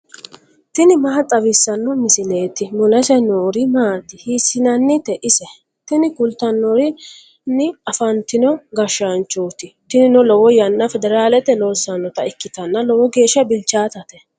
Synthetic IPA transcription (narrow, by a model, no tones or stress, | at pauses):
t̪ɪnɪmɐɦɐt͡sʼɐwɪsːɐnːɔmɪsɪleːt̪ɪmʊlɛsɛnoːɾɪmaːt̪ːɪhiːsːɪnɐnːɪt̪ɛʔɪsɛ | t̪ɪnɪkʊlt̪ɐnːɔɾɪ | nɪɐfɐnt̪ɪnɔɡɐʃːant͡ʃːoːt̪ɪt̪ɪnɪnʊlɔwɔjɐnːɐfɛd̪ɛɾaːlɛt̪ɛloːsːɐnːɔt̪ɐɪkːɪt̪ɐnːɐlɔwɔɡe̞ːʃːɐbɪlt͡ʃːaːt̪ɐt̪ɛ